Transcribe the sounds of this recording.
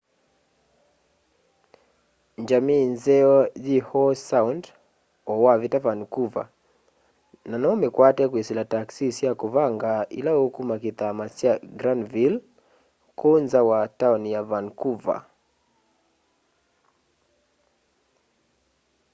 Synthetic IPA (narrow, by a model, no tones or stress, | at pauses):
ɲd͡ʒaminzɛɔʄihɔsaund | ɔwavitavankuva̰ | nanaɔmɛkwatɛkwisilataksisiakuvaŋɡaḭlaukumakiθamasiaɡɾandvil | kʰunzawataɔnijavankuva̰